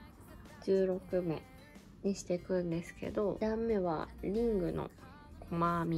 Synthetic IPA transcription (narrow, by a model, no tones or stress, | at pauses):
d͡ʑɨːɾo̞kɯ̟me̞̰ | ɲ̟iɕi̥t̪e̞kɯ̟̃nd̪e̞sɨ̥ke̞̰d̪o̞d̪ãmːe̞βa̰ɾʲĩŋɡɯ̟no̞̰ | kʰomamʲi